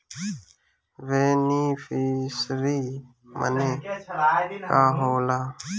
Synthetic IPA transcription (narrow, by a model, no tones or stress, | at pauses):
ʋeːniːfiːsɾiː | mə̰neː | kaːɦoːlaː